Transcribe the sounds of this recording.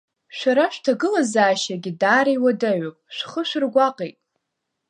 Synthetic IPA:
ʃʷᶣaɾaʃᶣtʰaɡɨlazaːʃaɡʲidaːɾajwadaɥopʼʃʷᶣχəʃʷᶣrɡʷaqʼejtʼ

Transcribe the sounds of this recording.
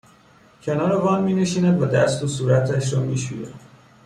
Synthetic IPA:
cʰe̞nɒːɾevɒːnmiːneʃiːnæd̪væd̪æst̪osuːɾæt̪ʰæʃɾɒmiːʃṵjḛ

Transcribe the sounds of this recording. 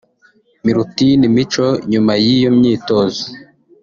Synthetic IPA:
miɾutinimit͡ʃoɲumajijomɲiːtoːzo

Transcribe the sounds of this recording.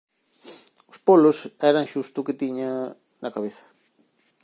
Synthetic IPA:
ʊspolʊsɛɾaŋʃust̪ʊkɪt̪iɲa | nɐkaβeθɐ̥

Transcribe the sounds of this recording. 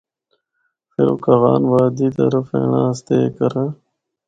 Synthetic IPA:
feɾokɐɣaːnʋaːd̪iːt̪ɐ̰ɾəfḛːɳã̰ːst̪ekɐɾã

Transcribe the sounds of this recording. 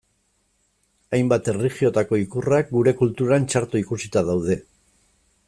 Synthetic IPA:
ajmbat̪e̞riχio̞t̪ako̞ikurak̚ɡuɾe̞kult̪uɾant͡ʃaɾt̪uikusit̪aðawð̞e̞

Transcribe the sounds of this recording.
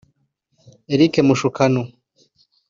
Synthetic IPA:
eɾikemuʃukʰano

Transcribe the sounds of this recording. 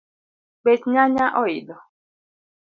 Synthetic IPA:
ɡ͡bet͡ʃɲaɲaʔɔidɔ

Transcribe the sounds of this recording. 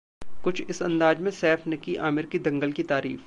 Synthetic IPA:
kʊt͡ʃʰɪsɐ̰̃nd̪aːd͡ʒmẽsɛːfnɐkiʔaːmɪɾkid̪ɐ̃ŋɡəlkit̪aːɾḭːf

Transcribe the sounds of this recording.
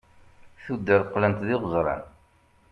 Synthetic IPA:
θud̪ːəɾqːlənt̪ðɪʁəzˤɾˤɑ̰n

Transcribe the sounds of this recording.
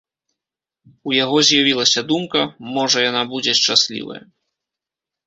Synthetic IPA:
ujaɣɔzʲjavʲilˠɐsʲɐd̪umkɐmɔʐɐjanabud͡zʲɛʂt͡ʂasʲlʲḭvɐ̰jɐ̰

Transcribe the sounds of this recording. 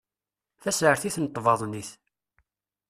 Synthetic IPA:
θæsʕəɾθiθnət̪ˤːvɑðˤniθ

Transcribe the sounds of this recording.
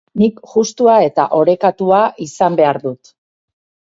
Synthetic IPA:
nikʝust̪uae̞t̪a̰ʔo̞ɾe̞kat̪uaʔisambe̞aɾðut̪

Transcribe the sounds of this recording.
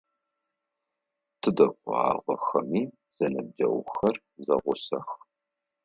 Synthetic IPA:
tʰɨdɐkʷʊa̰ːʁʷɔxɐmiː | z̥ɐnɐb̚d͡ʒɐ̰wxɐr | zɐ̰ʁʷʊsɐx

